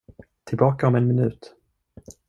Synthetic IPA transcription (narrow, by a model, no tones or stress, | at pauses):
t̪ʰɪlbɑːkaɔmɛnmɪnʉ̟ːt̪